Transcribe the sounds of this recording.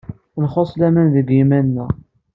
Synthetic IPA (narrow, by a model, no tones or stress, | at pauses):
nχosˤlæmænðəɡimænːæ